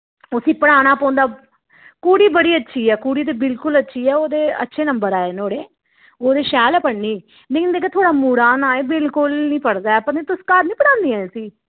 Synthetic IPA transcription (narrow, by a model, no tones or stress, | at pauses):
ʊsĩːpəɽ̃aːɽ̃aːpõːnd̪aː | kuːɽiːbəɽiːətːʃʰiːɛːkuːɽiːt̪̬eːbɪlkʊlətːʃʰiːɛːoːd̪eːə̰tːʃʰeːnəmbəɾaːeːnoːɽeː | oːd̪eːʃɛːlɛːpəɽniː | leːkɪnd̪eːk̬et̪ʰoːɽaːmuːɽaːnaːeːbɪlkʊlnĩːpəɽd̪aːɛpəɾnẽːt̪ʊskəɾnĩːpəɽãːnd̪iːãːsiː